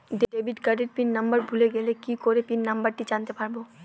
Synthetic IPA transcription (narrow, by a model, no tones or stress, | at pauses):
ɖeɖebʱiʈkaɖeʈ̚pinːɐmbəɾbʱuleɡelekikoɾepinːɐmbaɾʈid͡ʑant̪epaɾbo